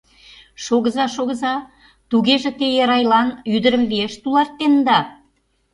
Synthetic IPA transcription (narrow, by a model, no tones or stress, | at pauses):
ʃoɣə̆zɑʃoɣəzɑ | t̪uɣeʒĕt̪ejeɾɑjlɑnyd̪ə̆ɾəmβeʃt̪ulɑrt̪ːend̪ɑ